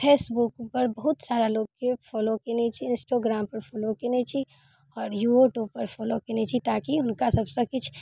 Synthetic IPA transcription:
pʰeːsbukpəɾbəɦʊt̪saːɾaloɡkepʰɔlokenet͡ʃʰiɪnsʈaɡɾaːmpəɾpʰɔlokenet͡ʃʰi | ɔːɾjuoʈupəɾpʰɔlokenet͡ʃʰit̪akiɦʊnkasəbsə̃kɪt͡ʃʰ

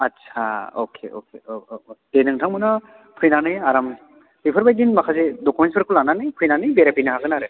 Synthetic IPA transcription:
ɐtsʰa̰o̰kʰḛo̰kʰed̥enɯŋtʰaŋmɯna | pʰɯjnanɯjaɾam | pipʰɯɾbajɡinmakʰazedɔkumenspɯɾkʰulananɯjpʰɯjnanɯjbeɾapinɯɦaɡɯnaɾɯ

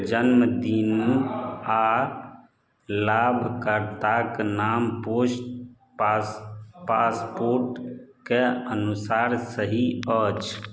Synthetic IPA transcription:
d͡ʒənməd̪in | a | labʱkəɾt̪aknamposʈ | paspoɾʈkeənusaɾsəɦiət͡ʃʰ

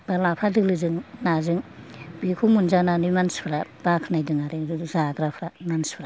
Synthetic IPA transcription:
b̥alapʰadɯlɯzɯŋnazɯŋbikʰumunzananumanspʰɾab̥akʰnajdɯŋaɾɯzaɡɾapʰɾananspʰɾa

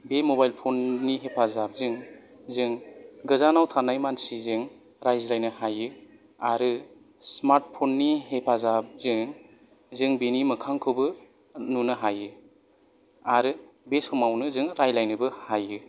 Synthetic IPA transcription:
bemobajlpʰonːiɦepʰazap̚zɯŋ | zɯŋɡɯzanawtʰanːajmansizɯŋ | ɾajzɾajnɯhajɯ | aɾɯ | smaɾt̚pʰonːihepʰazap̚zɯŋ | zɯŋbenimɐkʰaŋkʰɯbɯ | nunɯɦajɯ | aɾɯ | besɔmawnɯzɯŋɾajlajnɯbɯhajɯ

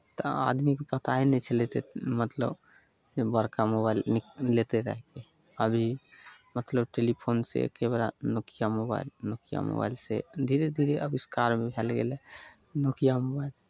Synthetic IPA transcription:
t̪ɔ̰a̰d̪mikepət̪aɦinɛt͡ʃʰəlet̪emət̪lə̰b | bəɾkamoβailnːet̪eɾə̰ɦɛke | əbʱimət̪ləbʈelipʰonsḛkebɾa̰nokʰijamoba̰ilnokʰija̰mo̰ba̰ilsḛd̪ʱiɾed̪ʱiɾeəbiskaɾmebʱelɡḛle | nokʰijamobail

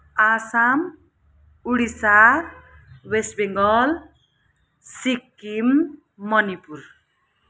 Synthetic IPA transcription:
asam | uɽisar | wesbeŋɡʌl | sikːimː | ʌnipur

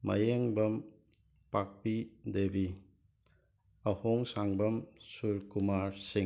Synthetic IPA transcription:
mɐ̰jeŋbɐm | pak̚pidebi | ɐhoŋsaŋbɐmsuɾkumaɾsiŋ

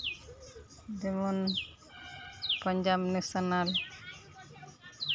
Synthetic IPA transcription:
d̪emɔn | pəɲd͡ʒabnesanal

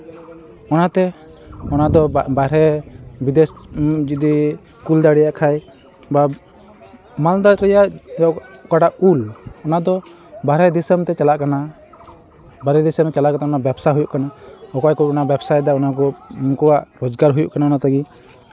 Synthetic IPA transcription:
ɔnat̪ɛ | ɔnad̪ɔbaɾɛbid̪esd͡ʒid̪i | kuld̪aɽɛjaʔkʰaj | ba | mald̪aɾɾɛjaʔɔkaɖaʔulɔnad̪ɔ | baɾɛd̪isəmt̪ɛt͡ʃalaʔkana | baɾɛd̪isəmt͡ʃalaʔkat̪ɛɔnabɛbsaɦujuʔkanaɔkɔjkɔɔnabɛbsaj̚d̪aɔnakɔmukɔwaʔɾɔd͡ʒɡaɾɦujuʔkanaɔnat̪aɡi

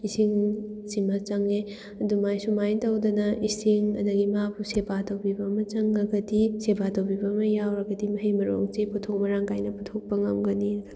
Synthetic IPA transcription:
isiŋsimɐt͡ʃɐŋe | ɐdumajsumajtawdɐnɐʔisiŋɐ̰dɐɡimapusebatɐwbibɐmɐt͡ʃɐŋːɐɡɐdisebatɐwbibɐmɐjawɾɐɡɐdimɐɦijmɐɾo̰ŋt͡ʃeputʰok̚mɐɾaŋkajnɐputʰok̚pɐŋɐmɡɐni̥

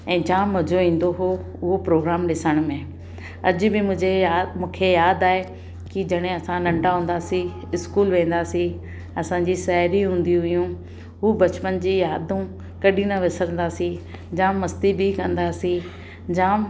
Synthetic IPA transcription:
ɛ̃ːd͡ʑãːmːɐd͡ʑʱoĩːn̆d̪oɦo | ʊɦopɾoːɡɾaːmɗɪsəɽ̃mẽ | ɐd͡ʑʊ̆bɪmʊ̃ːd͡ʑemũːkʰejaːd̪aːɦe | kɪd͡ʑɐɽ̃ẽɐsãnɐ̃ɳɖaɦũːn̆d̪aːsĩ | ɪskuːlʋẽːn̆d̪aːsĩ | ɐsãɲd͡ʑiːʃɛɦɾiɦũːn̆d̪ĩɦʊjũ | ɦuːbɐt͡ɕpənd͡ʑiːjaːd̪ʱũ | kɐɗĩnɐʋɪsəɾə̃nd̪aːsĩ | d͡ʑãːmɐst̪ibɪkɐ̃nd̪aːsĩ | d͡ʑãː

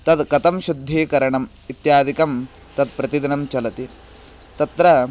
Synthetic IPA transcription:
t̪ɐd̪kɐt̪ɐmʃud̪ʱːeːkɐɾɐɳɐm | it̪jaːd̪ʱikɐm | t̪ɐd̪̚pɾɐt̪id̪inɐmt͡ʃɐlɐt̪i | t̪ɐt̪ɾɐ

